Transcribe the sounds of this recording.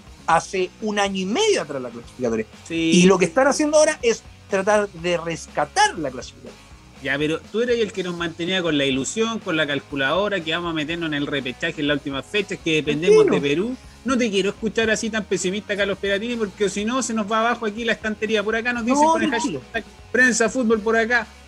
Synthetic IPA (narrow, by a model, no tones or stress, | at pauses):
aseunaɲoime̞ðjoat̪ɾaszlaklasi̥fikat̪oɾjasiilok̬est̪anasjend̪oaoɾaʔest̪ɾat̪aɾðereskat̪aɾlaklasi̥fikat̪oj | japeɾot̪ueɾeelkenozmant̪eniako̞nlailusjoŋkonlakalkulaðo̞ɾak̬eβamosame̞t̪̬eɾnosene̞lrepet͡ʃaxenlault̪imafe̞t͡ʃakeðepend̪eonepeɾu | not̪̬e̞k̬jeɾoe̞skut͡ʃaɾasit̪ampe̞simit̪akalospeɾat̪̬inip̬oɾkeosinose̞nozβaːβaxoak̬ilaest̪ant̪eɾiapoɾakanot̪̬isjaneaʃt̪a | pɾe̞nsafut̪̚βo̞lp̬oɾaka